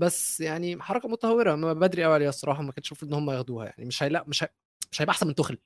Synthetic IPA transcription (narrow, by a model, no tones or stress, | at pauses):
bæsːjaʕniħɑɾˤɑkɑmot̪æt̪æwːeɾæmæbæbæd̪ɾiʔæwiːʕalejæsˤːɑɾˤɑːħɑmækenʃuːfʔenːhomːæjexæd̪uːhæ̰ja̰ʕnḭmeʃhæjlæʔmeʃæ | meʃhæjebʔaħsænment̪oxl